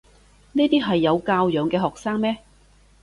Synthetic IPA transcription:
niː˥t̪iː˥ɦɐ˨jːɐ˨˧wkaː˧wjœː˨ŋkɛː˧ɦɔː˨k̚saː˥ŋmɛː˥

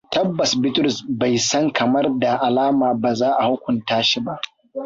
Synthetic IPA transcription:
tɐ˦bːɐ˨sbɪ˦tʊ˦ɾʊ˨sba˨jsɐ˦ŋkʰɐ˨mɐ˦rda˨ʔa˨laː˦maː˨baː˨zaː˦ʔa˨ha˦kʷʊ˨ntaː˦ʃi˨ba˦ʔ

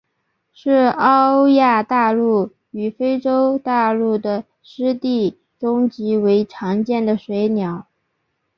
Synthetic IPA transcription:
ʂɻ̩˥˩ɑ˥ʊja˥˧t̪a˥˧lu˥˩ | y˨˩fe˥ɪʈ͡ʂo˥ʊt̪a˥˧lu˥˩d̪ə˩ | ʂɻ̩˥t̪i˥˩ | ʈ͡ʂʊ˥ŋt͡ɕi˧˥we˧˥ɪʈ͡ʂʰɑ˧˥ŋt͡ɕjɛ˥˩nd̪ə˩ʂwe˧˥ɪnjɑ˨˧˩ʊ

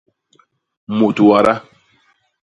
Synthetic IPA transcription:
mo˨tu˨wa˨ɾa˦

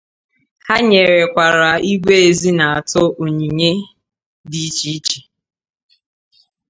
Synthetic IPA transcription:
ha˦ɲe˨ɾe˨kʷa˨ɾa˨i˦ɡʷe˦e˨zi˦na˨a˨tʊ˦ʔo˨ɲi˨ɲe˦ | di˨˦t͡ʃi˦t͡ʃi˨

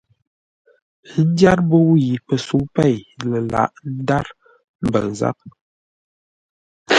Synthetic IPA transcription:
n̩˦dja˦ɾbo˦wji˨pə˨su˨˦pɛ˦˨jlə˨la̰˨ʔn̩˦da˦ɾ | m̩˨bə˨n˨za̰˦p̚

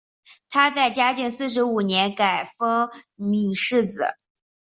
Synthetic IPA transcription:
t̪ʰa˥t͡sa˥˩ɪt͡ɕja˥t͡ɕi˥˧ŋsɹ̩˥˩ʂ̬ɻ̩˧˥u˨˩njɛ˧˥nka˨˩ɪfɤ˥ŋmi˨˩ʂɻ̩˥˩t͡sɹ̩˨˩˦

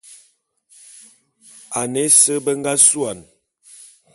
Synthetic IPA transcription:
a˨ne˦sə˦bə˦ŋɡa˦su˦a˨n

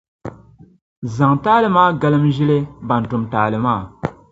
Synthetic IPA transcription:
za˨ŋtaː˦lɨ˨maː˦ɡa˦lɨ˦mʒi˦le˦ba˨n˨tʊ˨mtaː˨lɨ˨maː˦˨

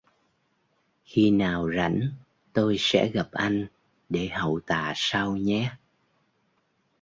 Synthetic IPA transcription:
xi˧naː˨˩wza̰˧˥jŋ̟ | t̪o˧jsɛ̰˧˥ɣa˨˩p̚ʔa˧jŋ̟ | ɗe˧˩hə̰˨wt̪aː˨saː˧wɲɛ˨˦

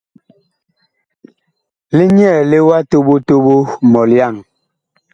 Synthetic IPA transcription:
li˦ɲ˦ɛ˦˨le˦wa˦to˦ɓo˦to˦bo˦mɔ˨lja˦˨ŋ

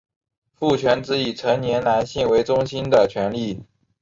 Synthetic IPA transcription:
fu˥˩t͡ɕʰɥɛ˧˥nt͡sɹ̩˧˥i˨˩ʈ͡ʂʰɤ˧˥ŋnjɛ˧˥nla˧˥nɕi˥˩nwe˧˥ɪʈ͡ʂʊ˥ŋɕi˥nd̪ə˨t͡ɕʰɥɛ˧˥nli˥˩

